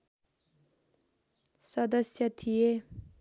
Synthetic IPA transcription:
sʌd̪ʌsjʌt̪ʰije

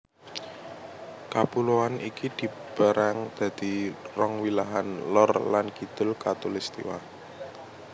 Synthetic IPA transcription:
kapuloanikid̪̥i̤ | b̥a̤ɾʔaŋd̪̥ä̤d̪̥i̤rɔŋwilaɦanlɔrlankid̪̥ʊ̤lkat̪ulist̪ḭwa̰

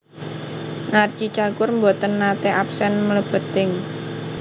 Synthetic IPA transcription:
nart͡ʃit͡ʃakʊrmbot̪ənːat̪eʔapsɛnmələb̥ə̤t̪ɪŋ

